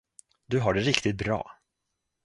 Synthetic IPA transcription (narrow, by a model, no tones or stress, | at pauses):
d̪ɵɦaɖɛɾɪkt̪ɪt̪̚bɾɑ̰ː